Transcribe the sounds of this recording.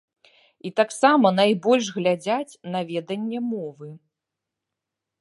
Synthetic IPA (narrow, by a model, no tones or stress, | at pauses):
it̪aksamɐnajbɔlʲʂɣlʲad͡zʲat͡sʲnɐvʲɛd̪ɐnʲːɛmɔvɨ